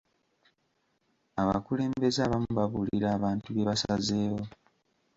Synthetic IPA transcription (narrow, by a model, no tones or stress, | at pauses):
aβakule̞ːmbe̞zaβamuβaβuliɾaːβaːntuβeβasazeːwo̞